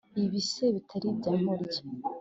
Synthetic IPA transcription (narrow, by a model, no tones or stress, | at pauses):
iβiseβitʰaɾibɟaːmoɾiɟe